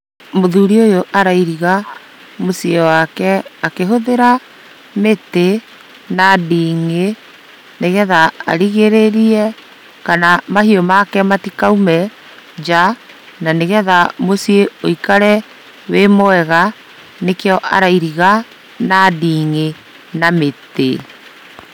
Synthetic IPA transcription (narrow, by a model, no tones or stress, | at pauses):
moðuɾiojoʔaɾaiɾiɣa | mosiewakɛakeɦoðeɾa | mete | nadiːŋe | neɣɛða̰ːɾiɣeɾeɾiɛ | kanamahiɔmakɛmatikaumɛ | d͡ʒa | naneɣɛðamosieoikaɾɛ | wemɔɛɣa | nekeɔʔa̰ɾaiɾiɣa | nadiːŋe | namete